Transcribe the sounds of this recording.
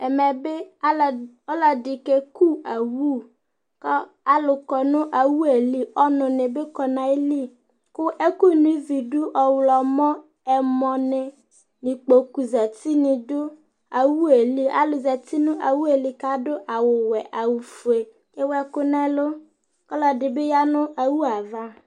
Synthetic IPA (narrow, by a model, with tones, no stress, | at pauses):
ɛ˨mɛ˨be˦˨ | ɔ˦la˨di˨ke˦ku˦a˨wu˦˨ | kɔ˦ | a˦lʊ˨kɔ˨nʊ̃˦ʔa˨wu˦e˨li˦ɔ˦nʊ̃˨ne˨be˦kɔ˨nã˨e˦li˦ | kʊ˦ʔe˦ku˦nũ˦i˦vi˨du˦ʔɔ˨wlɔ˨mɔ̃˦ | ɛ˨mɔ̃˨ne˨ | nĩ˨k͡po˨ku˨za˨t̪i˦nĩ˨dʊ˦ | a˨wu˦e˨li˦a̰˨lʊ˨za˨t̪i˦nʊ̃˦ʔa˨wu˦e˨li˨ka˦dʊ˦ʔa˨wʊ˨wɛ˨ʔa˨wu˨fu˨e˨ | ke˦wɛ˦kʊ˦nɛ̃˦lo˦ | kɔ˦lɔ˨dɪ˨be˦ja˦nʊ̃˦a˨wu˦a˨va˦